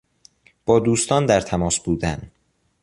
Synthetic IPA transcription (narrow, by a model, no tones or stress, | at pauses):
b̥ɒːd̪uːst̪ɒːnd̪æɾt̪ʰæmɒːsbuːd̪æn